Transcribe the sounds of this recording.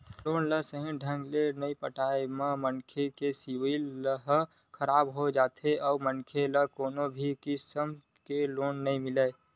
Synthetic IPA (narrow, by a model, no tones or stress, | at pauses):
loːnləɦsəɦĩɖʱə̃ŋɡlenəĩpəʈaːemãmənkʰekesiʋiləɦ | kʰəɾaːbɦod͡ʒaːt̪ʰeʔɔːmənkʰeləɦkoːnobʱikɪsəm | keloːnːəɦĩmɪleː